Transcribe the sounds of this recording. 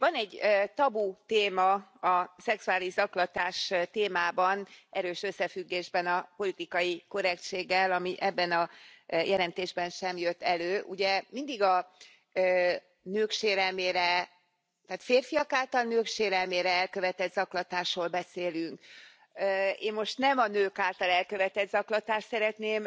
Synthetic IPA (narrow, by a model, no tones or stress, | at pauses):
vɒnɛɟːt̪ɒbut̪eːmɒɒsɛksuaːliʒzɒklɒt̪aːʃt̪eːmaːbɒnʔɛɾøːʃø̞sːɛfyɡːeːʒbɛnɒpo̞lit̪ikɒjikø̞ɾɛkt͡ʃeːɡːɛlɒmiʔɛbːɛnɒjʔɛlɛnt̪eːʒbɛnʃɛmjøt̪ːɛløːʔuɟɛmind̪iɡɒ | nøːkʃeːɾɛlmeːɾɛ | t̪aːt̪feːrfijɒkaːlt̪ɒlnøːkʃeːɾɛlmeːɾɛɛlkø̞vɛt̪ɛd̪zɒklɒt̪aːʃroːlbɛseːlyŋkː | eːmmo̞ʃt̪nɛmɒnøːkaːlt̪ɒlɛlkø̞vɛt̪ɛd̪zɒklɒt̪aːʃt̪sɛɾɛt̪neːm